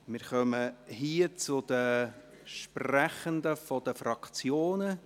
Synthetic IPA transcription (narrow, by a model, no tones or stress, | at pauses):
mɪɾχœməɦiːət͡sʊd̪̥ə | ʃpræχənd̪əfɔd̥̪əfɾɑkt͡sjoːnə